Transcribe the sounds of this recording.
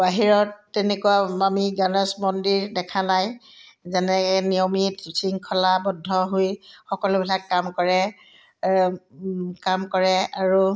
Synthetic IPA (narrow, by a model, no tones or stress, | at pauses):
baɦiɹɔtːɛnekuwaamiɡanɛsmɔndiɹdɛkʰanajzɛnɛnijomitisʰiŋkʰɔlabɔdʱːɔɦojxɔkɔlʊbʱilakːamkɔɹɛ | kamkɔɹɛaɹu